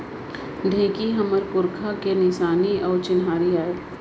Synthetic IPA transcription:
ɖʱẽːkiɦɐməɾkʊɾkʰakenɪʃaːniɔːɾt͡ʃɪnɦaːɾiaːeː

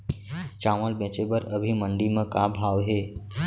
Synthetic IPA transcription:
t͡ʃaːməlbẽːt͡ʃebəɾəbʱimə̃ɳɖimẽkabʱaːʋɦeː

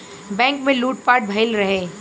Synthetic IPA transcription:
bɛ̃ːŋkmẽluːʈ̚paːɾʈ̚bʱɐɪlɾɐɦeː

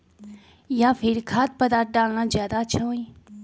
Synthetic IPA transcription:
jãːfʰɪɾkʰaːt̪̚pəd̪aːt̪̚ɖaːlnãːzjaːd̪at͡ʃʰaɦũĩː

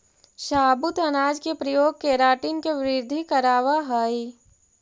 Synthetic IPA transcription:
ʃaːbʊt̪ɐnaːd͡ʒkepɾɐjoːɡ̚keːɾaːʈinkeʋɾɪɾd̪ʱikɐɾaːʋaɦɐi

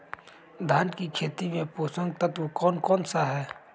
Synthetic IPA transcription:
d̪ʱaːnkikʰeːt̪imẽpoːsə̃ŋɡ̚t̪ət̪okɔːnkɔːnsaɦɛː

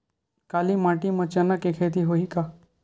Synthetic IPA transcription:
kaːlimaːʈimɐt͡ʃɐnəkekʰet̪̬iɦoikaː

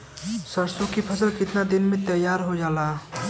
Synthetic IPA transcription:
səɾsokipʰəsəlkɪt̪nad̪inmet̪əjaɾɦod͡ʒala

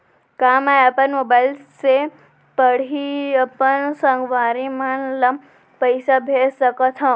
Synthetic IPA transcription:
kaːmajɐpɐnmobaːjlse | pəɽ̤iɐpənsɐŋɡʋaːɾimanlɐ | pəjsabʱesɐkət̪ʰa

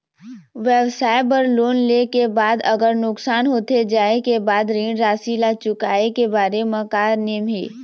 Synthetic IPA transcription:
ʋjɛʋsaːepəɾloːnleːkebaːd̪ɐɡəɾnʊksaːnɦoːt̪ed͡ʒaːekebaːd̪ɾĩːɽɾaːsilat͡ʃʊkaːekebaːɾemə̃kaːɾnemʱḭː

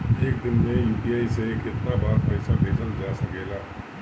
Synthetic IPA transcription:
eːk̚d̪ɪnmẽjuːpiaːisekɪt̪nabaːɾpəɪsabʱeːd͡ʒənd͡ʒaːsɐkeːlaː

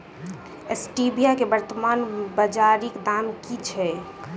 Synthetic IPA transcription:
esʈibijakebəɾt̪əmanbəd͡ʒaɾikd̪amkit͡ʃʰɛ

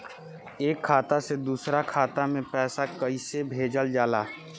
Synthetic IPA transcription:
eːkʰːaːt̪ased̪uːsɾakʰaːt̪amẽpɛːsakəisebʱeːd͡ʒəld͡ʒaːlaː

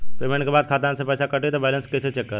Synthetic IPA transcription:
peːmẽɳʈkebaːd̪kʰaːt̪aːnsepɛːt͡ʃʰakɐʈet̪obɛːlənskɛːset͡ʃɛkːəɾ

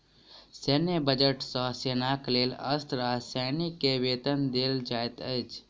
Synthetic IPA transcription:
seːnebəd͡ʒəʈsɔseːnakleːlə̰st̪ɾasanikːeʋeːt̪ənd̪eːld͡ʒaːjt̪ət͡ʃ

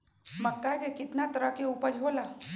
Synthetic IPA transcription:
mɐkːakekɪt̪nat̪əɾəkeuːpəd͡ʒʱɦoːlaː

